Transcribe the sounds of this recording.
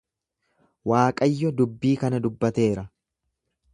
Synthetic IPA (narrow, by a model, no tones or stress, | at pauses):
waːkʼɐjːɔd̪ʊbːiːkɐnɐd̪ʊbːɐt̪e̞ːɾɐ